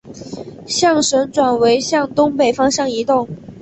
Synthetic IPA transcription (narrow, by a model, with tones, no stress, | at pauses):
ɕjɑ˥˩ŋʂə˧˥nʈ͡ʂwa˨˩nwe˧˥ɪɕjɑ˥˩ŋt̪ʊ˥ŋpe˨˩ɪfɑ˥ŋɕjɑ˥˩ŋi˧˥t̪ʊ˥˩ŋ